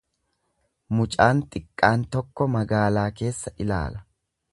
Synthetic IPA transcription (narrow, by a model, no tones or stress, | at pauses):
mʊt͡ʃʼaːnt̪ʼɪkʼːaːnt̪ɔkːɔmɐɡaːlaːke̞ːsːɐʔɪla̰ːlɐ